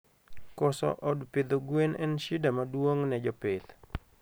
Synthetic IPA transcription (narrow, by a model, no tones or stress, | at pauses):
kɔsɔ̰ʔɔdped̪oɡwenɛnʃidamadwoŋnɛd͡ʒɔped̪